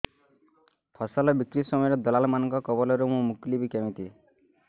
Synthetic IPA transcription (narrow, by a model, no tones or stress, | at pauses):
pʰɔsɔlɔbikɾisɔmɔjɔɾɔd̪ɔlalɔmanɔ̃ŋkɔkɔbɔlɔɾumũmuklibikem̃ĩt̪i